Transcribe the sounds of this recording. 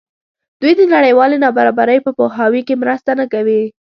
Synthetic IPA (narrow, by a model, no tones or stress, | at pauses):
d̪̥ujd̪ənaɽəjwɑlenɑbaɾɑbaɾəjpəpoɦɑwikemɾəst̪anəkawi